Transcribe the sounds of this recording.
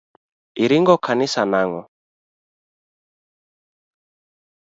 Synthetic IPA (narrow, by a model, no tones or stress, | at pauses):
iɾiŋɡɔkʰanisanaŋɔ